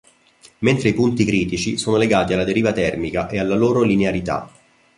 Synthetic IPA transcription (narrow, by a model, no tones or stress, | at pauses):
ment̪ɾeipunt̪ikɾiːt̪it͡ʃisoːnoleɡaːt̪ialːad̪eɾiːvat̪ɛrmikaʔealːaloːɾolineaɾit̪a̰